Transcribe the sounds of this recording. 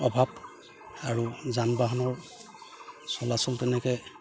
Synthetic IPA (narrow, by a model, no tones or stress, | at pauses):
ɔbʱab | aɹuzanbaɦanɔɹ | sɔlasɔltɛnɛkɛ